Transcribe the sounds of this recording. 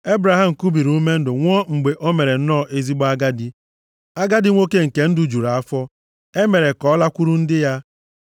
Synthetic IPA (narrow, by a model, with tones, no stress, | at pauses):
e˦bɾa˨ɦa˦˨m̩˨ku˦bi˨ɾu˦u˦me˦n̩˦dʊ˨ŋʷ˦ɔ˦ŋ͡m̩˨ɡ͡be˨ʔo˦me˨ɾe˨n̩˦nɔː˦˨ʔe˦zi˦ɡ͡bɔ˦a˦ɡa˦di˦ | a˦ɡa˦di˦ŋʷo˦ke˦ŋ̩˨ke˨n̩˦du˨˦˨d͡ʒu˨ɾa˨a˦fɔ˦ | e˦me˨ɾe˨kɔ˨˦la˦kʷu˦ɾu˦n̩˦dɪ˦ja˦